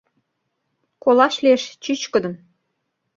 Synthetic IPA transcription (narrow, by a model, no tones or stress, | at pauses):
kolɑʃlieʃt͡ɕyt͡ɕkə̆d̪ɤ̆m